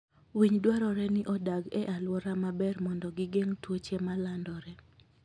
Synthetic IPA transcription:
wiɲdwaɾɔɾɛnɪʔɔdaɡɛʔalwɔɾamabɛrmɔndɔɡɪɡeŋtwot͡ʃemalandɔɾɛ

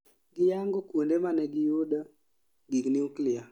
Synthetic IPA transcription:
ɡɪjaŋɡɔkwondemanɛɡɪjoda | ɡiɡniuklɪa

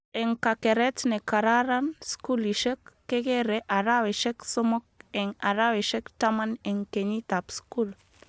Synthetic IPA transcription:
eŋkakeɾet̪nekaɾaɾanskuliʃekːeɡeɾeʔaɾaweʃeksomok̚eŋaɾaweʃekt̪amaneŋkeɲit̪apskul

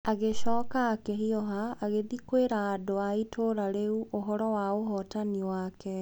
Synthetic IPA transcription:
aɣeɕɔːkaːkeɦiɔɦaːɣeðikweɾaːdoaitʰoːɾaɾeuʔoɦɔɾɔwaoɦɔtaniwakɛ

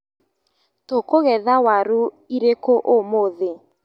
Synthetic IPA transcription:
tokoɣɛðawaɾu | iɾekoʔomoðe

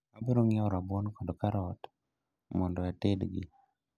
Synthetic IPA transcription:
abiɾoŋjaɔɾabwɔnkɔdɔkaɾɔt | mɔndɔatedɡɪ̰

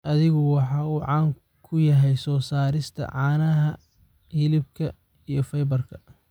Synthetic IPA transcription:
ʔɐðɪɣɔwɑħɑːuːʕɑːŋ | kʰʊjɐɦɛjsɔːsaːɾɪst̪ʰɐ̰ʕɑːnɐɦɐ | hɪlɪbkʰɐ | ijɞfɐjbɐrkʰɐ̥

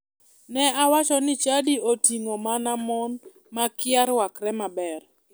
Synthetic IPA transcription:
nɛawat͡ʃɔnɪt͡ʃadiotiŋomanamɔn | makɪaɾwakɾɛmabɛr

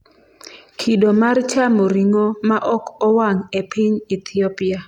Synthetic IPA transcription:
kʰidomart͡ʃamoɾiŋomaʔɔkɔwaŋepʰɪɲit̪ʰɪɔpia

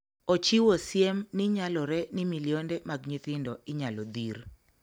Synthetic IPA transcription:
ot͡ʃiwosjemniɲalɔɾɛnimilijondɛmaɡɲit̪ɪndɔɪɲalɔd̪ir

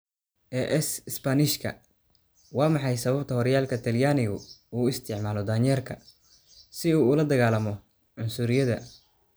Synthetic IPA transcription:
ʔɛːʔɛsɪspɐnɪʃkʰɐ̰ | wɑːmɑħɑjsɐβɐbt̪ʰɐhɔɾjaːlkʰɐt̪ʰɐljaːnɪɣʊuːɪst̪ʰɪʕmaːlɔd̪aːɲjɛːrkʰɐ | sɪuːlɐd̪ɐɣaːlɐmɔ | ʕʊnsʊɾɪjɐðɐ̰

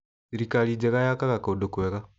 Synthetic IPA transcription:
siɾikalid͡ʒeɣajakaɣakodokweɣa

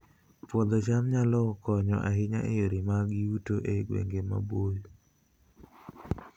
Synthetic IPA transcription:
pwɔd̪ɔt͡ʃamɲalɔkɔɲɔ̰ʔaɦɪɲa̰ʔejoɾimaɡɪutoʔeɡwḛŋɡema̰boj

